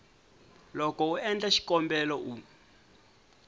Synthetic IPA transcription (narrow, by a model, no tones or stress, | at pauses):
lɔkɔuɛnd͡ɮaʃi̥kɔmbɛlɔʔu